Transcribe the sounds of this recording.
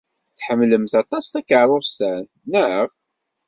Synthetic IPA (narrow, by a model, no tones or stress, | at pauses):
θħəmːləmθɑt̪ˤɑst̪ækəʕɾˤʊst̪æn | nəəʁ